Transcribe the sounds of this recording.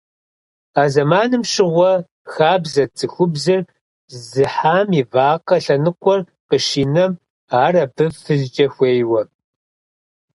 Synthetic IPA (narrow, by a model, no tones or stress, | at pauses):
aːzɐmaːnɨmʃɪʁʷɔ | xaːbzɐt͡sʰʼɨxʷʊbzɨr | zɨħaːmivaːqɐɬɐnɨqʷʼɔr | qəʃiːnɐm | aːrɐbɨvfɨɮd͡ʒʼɐxʷeːjwɐ